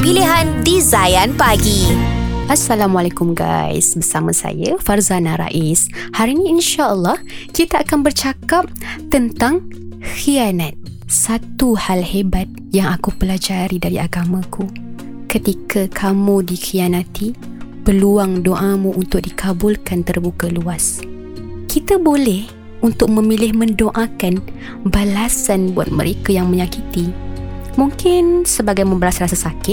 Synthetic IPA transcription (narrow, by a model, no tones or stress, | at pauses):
piliɦandizajanpaɡiʔasːalamwalekʊmɡa̰j̰sbərsamasa̰jafarzanaɾa̰ʔishaɾinĩinʃaʔəlːɑhkit̪aʔakanbərt͡ʃakap̚t̪ənt̪aŋ | xianat̪̚ | sat̪uhalhebat̪̚ | jaŋakupəlad͡ʒaɾidaɾiaɡamãkʰu | kət̪ikʰakʰamudixianãt̪ʰipəluaŋdoʔamuʔunt̪ʊk̚dikʰabʊlkant̪ərbukəluas | kit̪abolɛh | unt̪ʊk̚mə̃milɪhmə̃ndoʔakan | balasanbua̰t̪̚mə̰ɾʔekajaŋmə̃ɲãkit̪imuŋkɪnsəbaɡajmə̃mbəɾasɾasasakɪt̚